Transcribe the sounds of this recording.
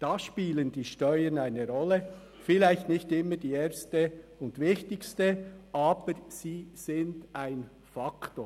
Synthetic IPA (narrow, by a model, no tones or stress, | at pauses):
d̥ɑːʃpiːlənd̥iːʃtœʏənaɪnəɾɔlːə | fɪlaɪçtnɪçtɪmːəd̥iːeːɾstəʊndvɪçtɪçstəʔɑːb̥əɾz̥iːz̥ɪndaɪn | fɑkto̰ː